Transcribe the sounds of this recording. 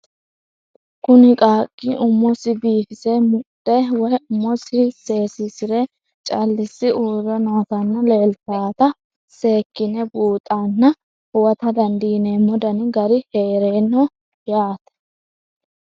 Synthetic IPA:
kʊnɪkʼaːkʼːɪʔʊmːɔsɪbiːfɪsɛmʊd̪ɛwɔjʊmːɔsɪseːsɪsɪɾɛ | t͡ʃʼɐlːɪsːɪʔuːɾɔnoːt̪ɐnːɐleːlt̪aːt̪ɐ | se̞ːkːɪnɛbuːt̪ʼːanːɐ | hʊwɐt̪ɐd̪ɐnd̪iːneːmɔd̪ɐnɡɐɾɪheːɾeːnːɔ | jaːt̪ɐ̥

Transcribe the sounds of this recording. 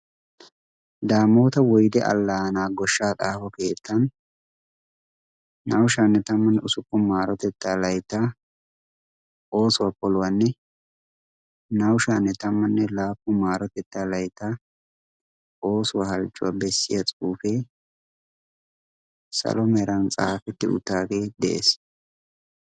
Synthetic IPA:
d̪aːmoːt̪ɐwɔjd̪ɛʔɐ̰lːaːnaːɡɔʃːaːtʼaːfɔke̞ːt̪ʰːɐn | nɐwʃaːnːɛt̪ɐmːɐnːɛʊsʊkʼːɔmaːɾɔt̪ɛt̪ːaːlɐjt̪ːa | o̞ːsʊwapɔlʊwanːɛ | nɐwʃaːnːɛt̪ɐmːɐnːɛlaːpːʊmaːɾɔt̪ɛt̪ːaːlɐjt̪ːa | o̞ːsʊwahɐlt͡ʃʼːʊwabɛsːɪjɐt͡sʼuːfe | sɐ̰lɔmɛɾɐnt͡sʼa̰ːfɛt̪ːɪʊ̰t̪ːaːɡe̞ːd̪ɛʔḛːs

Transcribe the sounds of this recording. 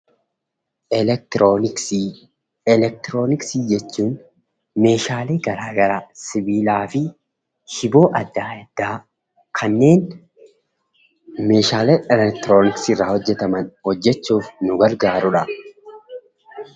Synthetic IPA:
ɛlɛk̚t̪o | ɛlɛk̚t̪ɪɾo̞ːnɪksiːd͡ʒɛt͡ʃːuːn | me̞ːʃaːleːɡɐɾaːɡɐɾasɪbiːlaːfɪ | hɪbo̞ːʔɐd̪ːaːɛd̪̥ːaː | kʰɐnːe̞ːn | me̞ːʃaːleɛlɛk̚t̪ɪɾoːnɪksɪrːaːhɔd͡ʒːɛt̪ɐmɐnhɔd͡ʒːɛt͡ʃːuːfnʊɡɐɾɡaːɾʊᶑɐ

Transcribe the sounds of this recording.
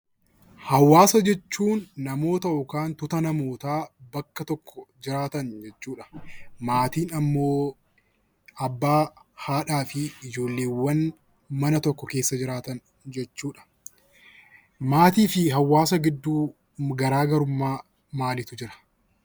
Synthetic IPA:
hɐwːaːsɐd͡ʒɛt͡ʃːuːnːɐmo̞ːt̪ɐʔɔkaːnt̪ʊt̪ɐnɐmo̞ːt̪aːbɐkːɐt̪ɔkːɔd͡ʒɪɾaːt̪ɐnd͡ʒɛt͡ʃːuːᶑɐ̥maːt̪iːnɐmːo̞ː | ɐbːaːhaːᶑaːfɪɪd͡ʒo̞ːlːeːwːɐn | mɐnɐt̪ɔkːɔke̞ːsːɐd͡ʒɪɾaːt̪ɐn | d͡ʒɛt͡ʃːuːᶑɐ̥ | maːt̪iːfɪɦɐwːaːsɐɡɪd̪ːuː | ɡɐɾaːɡɐɾʊmːaː | maːlɪt̪ʊd͡ʒɪɾɐ̥

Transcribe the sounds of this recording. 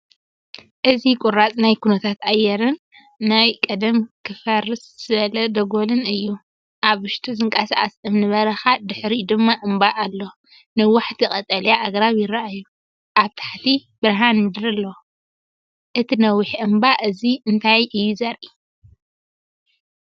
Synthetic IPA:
ʔɨzikʼʊɾat͡sʼnajkʰunɐt̪ʰat̪ajːɛɾɨnː | ajkʼɐd̪ɐmkʰɨfɐrɨsz̥ɨβɐlɐd̪ɐɡolɨnɨjːu | ʔaβɨʃt̪ʰuzɨŋkʼɐsaʔʼasɨmnɨβɐɾɐxad̪ɨħɾid̪ɨmːaʔɨmbaʔːlːo | nɨwaħt̪ʰikʼɐt̪ʼɐljaʔaɡɾaβjɪɾaʔajːu | ʔaβt̪ʰḁħt̪ʰibɨɾɦanɨd̪ɾɐlːɐw | ʔɨt̪ʰinɐwːiħʔɨmbaʔɨziɨnt̪ʰajʔɨjːuzɐɾʔi

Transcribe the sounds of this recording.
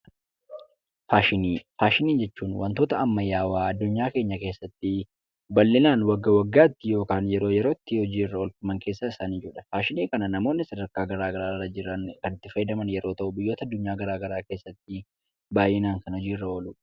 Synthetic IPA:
faːʃɪniːfaːʃɪniːnd͡ʒɛt͡ʃːuːnwɐ̰nt̪o̞ːt̪ɐɐmːɐjːaːwaːɐd̪ːʊɲːaːke̞ːɲːɐke̞ːsːɐt̪ːɪ | bɐlːɪnaːnwɐɡːɐwɐɡːaːɪt̪ːɪjo̞ːkaːnjɛɾo̞ːjɛɾo̞ːɪt̪ːɪhɔd͡ʒiːɪrːɐɔlkʊmɐŋke̞ːsːɐɪsaːnɪd͡ʒuːᶑɐ̥faːʃɪniːkɐnɐnɐmo̞ːnːɪsɐd̪ɐɾkaːɡɐɾaːɡɐɾaːrːɐd͡ʒɪɾːɐnkɐnɪt̪ːɪfɐjɪd̪ɐmɐnjɛɾo̞ːt̪ɐʔʊbɪjːo̞ːt̪ɐd̪ːʊɲːaːɡɐɾaːɡɐɾaːke̞ːsːɐt̪ːɪ | baːjʔɛnaːŋkɐnhɔd͡ʒiːrːɐɔlu

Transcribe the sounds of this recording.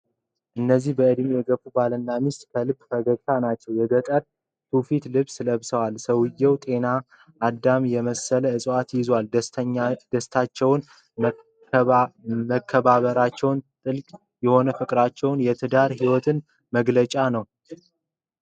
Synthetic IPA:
ʔɨnːəzːihbəʔɨd̪mijɛɡəfubalənːamist̪ʼkʰəlɨbfəɡəɡt̪ʰanat͡ʃːɛwjɛɡət̪ʼəɾ | t̪ʰufit̪lɨβsɨləβsəwalsəwɨjːɛwt̪ʼe̞na | ʔːd̪ːamjɛməsələɨsʼat̪jɪzwal | d̪̥əst̪ʰat͡ʃːɛwn | məkʰːəβaβəɾat͡ʃːɛwnt̪ʼɨlkʼ | jɛho̞nəfɨkʼɾat͡ʃːɛwnjɛt̪ʰɨd̪aɾhiwɔt̪ʰɨn | məɡlət͡ʃʼanəw

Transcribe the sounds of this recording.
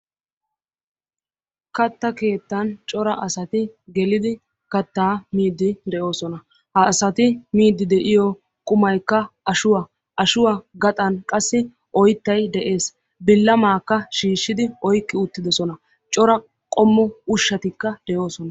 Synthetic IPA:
kɐt̪ːɐke̞ːt̪ːɐnt͡ʃʼɔɾɐʔɐsɐt̪ɪɡɛlɪd̪ɪ | kɐt̪ːaːmiːd̪ːɪd̪ɛjo̞ːsɔnɐ | hɐːsɐt̪ɪmiːd̪ːɪd̪ɛʔɪjɔ | kʼʊmɐjkːɐʔɐʃʊwa | ʔɐʃʊwaɡɐt̪ʼɐnkʼɐsːɪ | ʔɔjt̪ːɐjd̪ɛʔe̞ːs | bɪlːɐmaːkːɐʃiːʃːɪd̪ɪɔjkʼːɪʊt̪ːɪd̪ɔsɔnɐ | t͡ʃʼɔɾɐ | kʼɔmːɔʊʃːɐt̪ɪkːɐd̪̥ɛjo̞ːsɔnɐ

